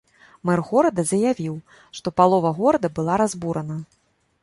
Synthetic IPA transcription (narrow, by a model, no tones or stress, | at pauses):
mɛrɣɔɾɐd̪ɐzɐjavʲiw | ʂt̪ɔpalˠɔvɐɣɔɾɐd̪ɐbɨlˠaɾazbuɾɐnɐ